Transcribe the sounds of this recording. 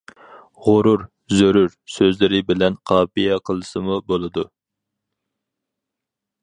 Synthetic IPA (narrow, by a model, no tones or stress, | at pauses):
ʁoɾuɾ | zøɾyɾsøzlɪɾɪbɪlɛnqʰɑːpijɛqʰəlˠɨsɨmubolˠɨd̪u